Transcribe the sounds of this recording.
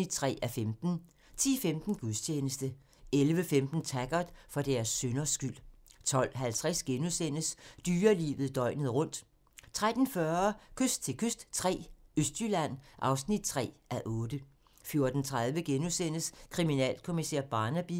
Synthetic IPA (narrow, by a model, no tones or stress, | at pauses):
id̥̚t͡sʰʁɛ̰ːæfemd̥n̩ | t͡sʰḭːfemd̥n̩ɡ̥uðˠst͡ɕʰeːnəsd̥ə | elʋəfemd̥n̩t͡sʰæɡ̥ɐd̥ˠfɒ̽d̥æɐsːønɐsɡ̥yl̰t͡sʰɒ̽l̰ɦælt͡sʰʁɛsɡ̥enusen̰əsd̥yːɐlḭːʋð̞̩ˠd̥ɒ̽ɪ̰nəð̩ˠʁɔ̽n̰d̥ | t͡sʰʁad̥n̩fɶɐkʰøsd̥̚t͡sʰe̝lkʰøsd̥t͡sʰʁɛ̰ːøsd̥ylæn̰ʔɑ̈ʊsnid̥̚t͡sʰʁɛ̰ːʔæʔɔ̽ːd̥ə | fjo̝ɐd̥n̩t͡sʰʁað̞ˠʋəɡ̥enusen̰əskʰʁiminɛ̰ːlkʰo̝misæ̰ɐb̥ɑ̈ːnæb̥i